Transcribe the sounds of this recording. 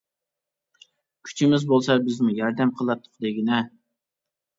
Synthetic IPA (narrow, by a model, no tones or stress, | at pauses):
kʲʰy̥t͡ʃʰimɪzbolˠsɑbɪzmujɑɾd̪ɛmqʰəlˠɑt̪ʰːʊ̥qd̪eɡʲinɛ